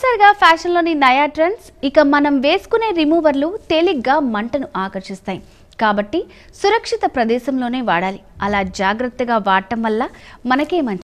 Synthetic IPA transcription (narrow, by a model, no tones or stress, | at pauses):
saːɾiɡaːpʰaːʂɐnlo̞ːninɐjaːʈɾɐnsikɐmɐnɐmʋe̞ːsu̥kune̞ːɾimuːʋɐɾlut̪eliɡːaːmɐɳʈɐnuʔaːkɐɾʂist̪aːji | kaːbɐʈːi | suɾɐkʂit̪ɐpɾɐd̪ɛːʃɐmlo̞ːne̞ːʋaːɽaːliɐlaːd͡ʒaːɡɾɐt̪ːɐɡaːʋaːʈːɐmʋɐlːɐmɐnɐke̞ːmɐnt͡ʃ